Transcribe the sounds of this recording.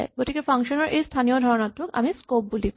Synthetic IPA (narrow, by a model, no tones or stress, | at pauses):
ɡoʈʰikefaŋʃonaɾʔest̪ʰanijod̪ʱɔɾonat̪ːɾoka̰miskop̚bulik